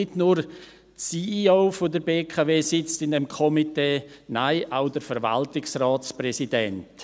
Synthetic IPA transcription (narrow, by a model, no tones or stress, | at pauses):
ɪdnuɾ | siːioʊfodəɾbeːkʰaveːsɪt͡stɪndɛmkʰɔmiteːnaɪʔaʊdəɾfəɾva̰ltɪksraːt͡sprɛsidɛnt